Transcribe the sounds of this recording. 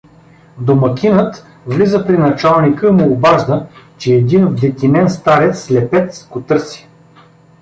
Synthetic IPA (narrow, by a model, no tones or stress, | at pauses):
d̪omɐkʲinət̪ | vlizəpɾinɐt͡ʃalˠnikəimuobaʒd̪ət͡ʃɛːd̪invd̪ɛt̪ʲinɛnst̪aɾɛt̪sslɛpɛt̪sɡot̪ɤɾsi̥